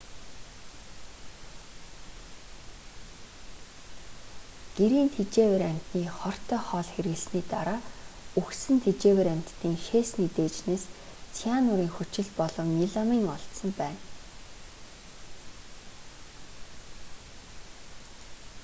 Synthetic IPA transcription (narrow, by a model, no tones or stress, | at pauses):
ɡ̥eɾiːnt̪ʰet͡ɕeːwĕɾam̥ʲt̪niːχɔr̥t̪ʰœːχɔːɮxeɾɣɘ̆ɮsniːt̪aɾaːuxsɘ̆nt̪ʰet͡ɕeːweɾam̥ʲt̪ːiːŋʃeːsnet̪eːt͡ɕneːst͡sʰianʊɾiːŋxɵt͡ɕɪ̆ɮpɔɮɞ̆wniɮamiːŋɔɬt̪sɞ̆mpæːn